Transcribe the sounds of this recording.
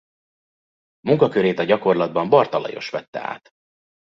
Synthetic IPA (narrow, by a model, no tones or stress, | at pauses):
muŋkɒkøɾeːt̪ɒɟɒko̞rlɒd̪̚bɒmbɒrt̪ɒlɒ̰jo̞̰ʃʋɛt̪ːɛ̰a̰ːt̪